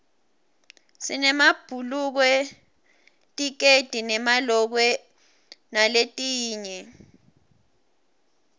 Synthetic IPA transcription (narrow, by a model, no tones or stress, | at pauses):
sinɛmab̥ʱuluk̬wɛ | tʼik̬ed̥ʱinɛmalɔk̬wɛ | naletʼiːɲɛ